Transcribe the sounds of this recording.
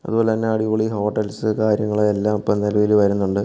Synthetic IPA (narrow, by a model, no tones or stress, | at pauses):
ɐ̰ðubo̞ːlet̪ɐnːeɐɽikoɭiɦo̞ːʈːɐlsɨkaːɾjɐŋːɐɭeelːaːmɐpːɐːmnilɐʋilʋɐɾunːuɳɖɨ